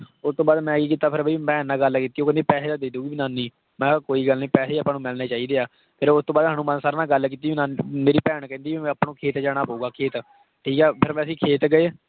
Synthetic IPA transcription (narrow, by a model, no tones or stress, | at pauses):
ʊst̪õːbaːd̪mɛ̃ːkiːk̬iːt̪aːpʰɪɾbimɛ̃ːnãːɡəlkiːt̪iːoːkɛ̃nd̪eːpɛːseːd̪aːd̪eːd̪uːiːbinaːnĩː | mɛ̃ːkoːiːɡəlnĩːpɛːseːəpãːnũːmɪlneːt͡ʃaːiːd̪eːaː | pʰɪɾʊst̪õːbaːd̪ɦaːnũːmansaːɾnãːɡəlkiːt̪ĩːnaːmeːɾiːpɛːɳkɛ̃ːnd̪iːʋiɛ̃ːpɳõːkʰeːt̪d͡ʒaːɽ̃aːpəuːɡaːkʰeːt̪ | ʈʰiːkɛːpʰɪɾmɛ̃ːəsĩːkʰeːt̪ɡəeː